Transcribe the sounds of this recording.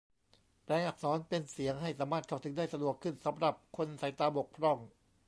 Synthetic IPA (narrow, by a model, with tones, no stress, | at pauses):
pɛː˧ŋʔa˨˩k̚sɔː˩˦npe˧nsi˩˦əŋɦa˥˩jsaː˩˦maː˥˩t̪̚ʰa˧˩wt̪ʰɯ˩˦ŋdaː˥˩jsa˧du˨˩əkʰːɯ˥˩nsa˩˦mɾa˨˩p̚kʰo˧nsa˨˩˦jt̪aː˧bo˨˩k̚pʰɾɔ˧˥˩ŋ